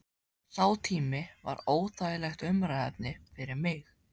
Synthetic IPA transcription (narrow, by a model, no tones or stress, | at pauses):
θawt̪ʰiːmɪva̰ɾoːwθʰajɪlɛxt̪ʏmɾaɛp̚nɪfɪɾɪɾmɪx